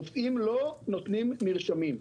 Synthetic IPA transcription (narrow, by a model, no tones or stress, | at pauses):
fimlonot̪nimːiʁʃamim